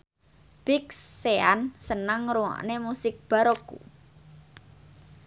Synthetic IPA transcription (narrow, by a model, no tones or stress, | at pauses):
b̥ikseansənəŋɾuŋa̰ʔnemusɪk̚b̥a̤ɾokṵ